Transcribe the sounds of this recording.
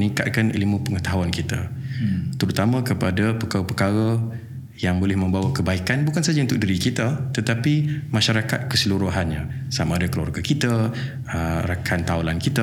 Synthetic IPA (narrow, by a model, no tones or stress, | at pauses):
nika̰t̪̚kanḭlimũpəŋət̪aɦuankit̪a | t̪əɾut̪amãkəpadapəkaɾəpəkaɾa | jaŋbolɛhmə̃mbawakəbaikanbukansad͡ʒaunt̪ʊk̚dəɾikit̪at̪ət̪apimaʃaɾaka̰t̪̚kəsəluɾuɦanɲasamãːdakəla̰rɡakit̪a | əɾakʰant̪awlankit̪a